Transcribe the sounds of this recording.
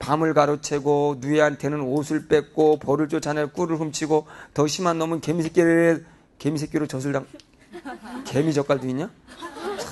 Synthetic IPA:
pamɯɭɡaɾot͡ɕʰe̞ɡonueɦantʰe̞nɯnosʰɯɭp͈e̞k̚k͈opʌɾɯɭt͡ɕ͈ot͡ɕʰanɯk͈uɾɯɭɦɯmt͡ɕʰiɡotʌɕʰimanːʌmɯnke̞misʰek͈jeɾe | ke̞misʰe̞k͈eɾot͡ɕʌs̬ʰɯɭdaŋ | ke̞mid͡ʑʌk͈aɭduiɲa

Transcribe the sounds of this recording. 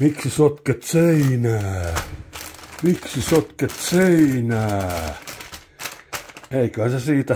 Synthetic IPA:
miksisot̪ket̪seinæː | miksisot̪ket̪seinæː | eikøhæsesiːt̪æ

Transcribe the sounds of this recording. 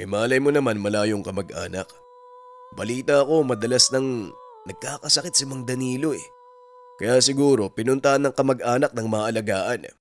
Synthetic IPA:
ʔɛ̰maːʔɐlɐjmo̞nɐmanmɐlaːjo̞ŋkɐmɐɡʔa̰ːnɐk | bɐliːt̪ɐɐko̞mɐd̪ɐlasnɐŋ | nɐɡ̚kaːkɐsɐkɪt̪̚sɐmɐŋd̪ɐniːlo̞ɛ | kɐjasɪɡuːɾo̞pɪnʊnt̪ɐʔɐnːɐŋkɐmɐɡʔaːnɐk̚nɐŋmɐaʔɐlɐɡaːʔɐn

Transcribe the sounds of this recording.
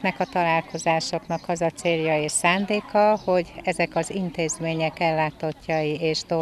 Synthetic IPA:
nɛkɒt̪ɒlaːlko̞zaːʃo̞knɒkɒzɒt̪seːljɒeːʃsaːnd̪eːkɒho̞ɟɛzɛkɒzint̪eːzmeːɲɛkɛlːaːt̪o̞cːɒjieːʃt̪o

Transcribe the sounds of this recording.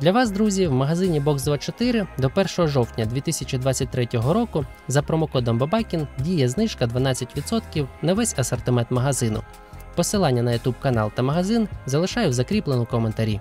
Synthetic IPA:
d̪lʲɐʋɑsd̪ɾuzʲiwmɐɦɐzɪnʲibɔksd̪ʋɑt͡ʃɔt̪ɪɾɪd̪ɔpɛrʃɔɦɔʒɔwtʲnʲɐd̪ʲʋʲit̪ɪsʲɐt͡ʃid̪ʋɑt͡sʲːɐt̚ʲt̪ɾɛtʲɔɦɔɾɔkʊ | zɐpɾɔmɔkɔd̪ɔmbɐbɑkʲindʲijɛznɪʃkɐd̪ʋɐnɑt͡sʲːɐtʲʋʲid̪sɔt̪kʲiwnɐʋɛsʲɐsɐrt̪ɪmɛnt̪mɐɦɐzɪnʊ̰ | pɔsɪlˠɑnʲːɐnɐjʊt̪ub̚kɐnɑlˠt̪ɐmɐɦɐzɪnzɐlˠɪʃɑjɛwzɐkɾʲiplˠenʊkɔment̪ɐɾʲi

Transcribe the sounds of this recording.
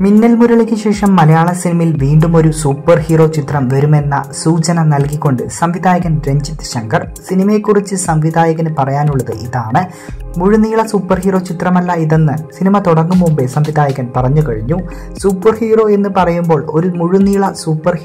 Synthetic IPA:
minːɐlmuɾɐɭekʲːɨɕe̞ːʂɐmːɐlɐjaːɭɐsinimɐjilʋiːɳɖumo̞ɾusuːpːɐrhiːro̞ːt͡ɕit̪rɐmʋɐɾume̞nːɐ̰suːt͡ɕɐnɐnɐlkikʲːo̞ɳɖɨsɐmʋid̪aːjɐɣɐnɖɾe̞ɲd͡ʑit̪ːɨ̥ɕɐŋɡɐr | sinimɐjekːurit͡ɕːɨsɐmʋid̪aːjɐɣɐnɨpɐrɐjaːnuɭːɐðɨʔiðaːɳɨ | muɻuniːɭɐsuːpːɐrhiːro̞ːt͡ɕit̪rɐmɐlːɐiðe̞nːɨsinimɐt̪oɽɐŋːumumbesɐmʋid̪aːjɐɣɐnpɐrɐɲːukɐɻiɲːu | suːpːɐrhiːro̞ːe̞nːɨpɐrɐjumbo̞ːɭo̞ɾumuɻuniːɭɐsuːpːɐr

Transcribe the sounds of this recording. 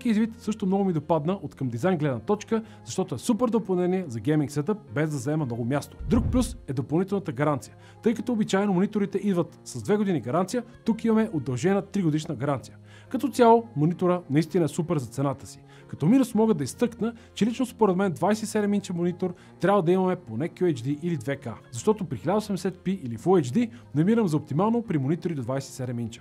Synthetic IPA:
skiizvit̪sɤʃt̪omnɔɡʊmid̪opad̪nəʔot̪kɐmd̪izajnɡlɛd̪nət̪ɔt͡ʃkə | zɐʃt̪ɔt̪oɛsupɛɾd̪opɐlˠnɛniɛzɐɡɛjmiŋksɛt̪əp̚bɛzd̪ɐzɐɛməmnɔɡʊmʲjast̪o̥d̪ɾuk̚plʲusɛd̪opɐlˠnit̪ɛlˠnət̪əɡɐɾant̪sijə̥ | t̪ɤjkɐt̪ɔobit͡ʃajɛnomʊnit̪oɾit̪ɛʔid̪vət̪sɐzd̪vɛɡod̪iniɡɐɾant̪sijət̪ukimɐmɛʔod̪ːɐlˠʒɛnət̪ɾiɡod̪iʃnəɡɐɾant̪sijə | kɐt̪ɔt̪sʲjalˠomonit̪oɾənɐist̪inəɛsupɛɾzɐt̪sɛnat̪ə̥si̥ | kɐt̪ɔminusmɔɡəd̪ɐist̪ɤknət͡ʃɛlit͡ʃnospoɾɛd̪mɛnd̪vajsɛt̪sɛd̪ɛmint͡ʃɛmonit̪oɾ | t̪ɾʲabvɐd̪ɐimɐmɛponɛkʲɛd͡ʒd̪iʔilid̪vɛka̰zɐʃt̪ɔt̪opɾixilʲad̪əosɛmd̪ɛsɛt̪̚piʔilifued͡ʒd̪inɐmiɾəmzɐop̚t̪imalˠnopɾimonit̪oɾid̪od̪vajsɛ̥t̪sɛd̪ɛmint͡ʃɛ̥

